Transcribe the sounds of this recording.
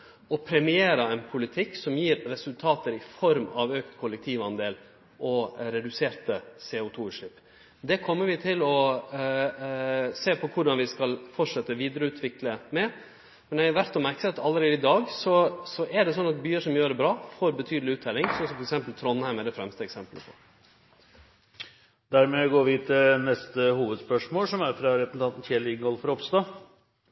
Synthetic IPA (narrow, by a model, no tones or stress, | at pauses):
ɔpʰɾɛmɪeːɾɑɛɪnpʰʊlɪt̪ʰɪkːsɔmjiːɾːɛsʉlt̪ʰɑːt̪əɾɪfɔɾmɑʋøːkt̪kʰʊlɛk̚t̪ʰiːʋɑnd̪eːl | ʔɔɾɛd̪ʉseːɾt̪əseːʊt̪ʰuːʉːʂɭɪpː | d̪ɛkʰɔmːəɾʋɪt̪ʰɪlɔ | seːpʰɔkʰʊɖɑnʋɪskɑlfɔʈʂɛt̪ːəʋiːd̪əɾəʉːt̪ʰʋɪkləmɛ | mɛnæʋæɾt̪ɔmæɾksɛt̪ːɑlːəɾeːd̪ɪd̪ɑːɡsɔsɔʔɛɖɛsɔnːɑt̪̚byːəʂɔmjøːɾəbɾɑːfoːɾbət̪ʰyːd̪əlɪʉːt̪d̪ɛlɪŋsɔnsɔmfɔɾɛksɛmpəlt̪ʰɾɔnːhæɪmæɖɛfɾɛmst̪əɛksɛmpələpʰɔ̰ | d̪æɾmɛɡoːʋiːt̪ʰɪnɛst̪əhuːʋəd̪spœʂmoːlsɔmæɾfɾɑɾɛpɾəsn̩t̪ɑnt̪n̩çɛːlɪɡɔlfɔɾɔpst̪ɑ